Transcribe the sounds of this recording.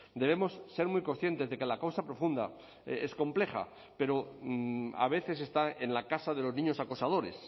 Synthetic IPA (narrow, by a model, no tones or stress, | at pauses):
d̪e̞β̞e̞mo̞sːe̞ɾmwjko̞nsθjent̪e̞zðe̞ke̞lakawsapɾo̞fund̪a | esko̞mple̞χa̰ | pe̞ɾo̞ | a̰β̞e̞θe̞s̬e̞st̪ae̞nlakasað̞e̞lo̞znĩɲo̞sakosað̞o̞ɾe̞s